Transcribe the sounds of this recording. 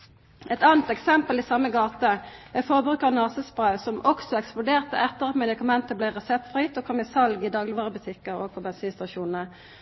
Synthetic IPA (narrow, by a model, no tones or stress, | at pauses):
ɛt̪ɑːnt̪ɛksɛmpəliːsɑmːəɡɑːt̪əæfɔʁbʁʉːkəʁnɑːsəspʁɑʉsɔmʔɔksɔɛksplʊd̪eːʁt̪ə̰ʔɛt̪ːəʁɑt̪mɛd̪ɪkɑmɛnt̪əblæɪʁɛsɛp̚t̪fʁiːt̪oːkʰɔmisɑlɡiːd̪ɑːɡlɪʋɑːʁəbʉt̪ʰɪkəʁo̰ːɡ̚pʰobɛnsiːnst̪ɑʃuːnn̩ə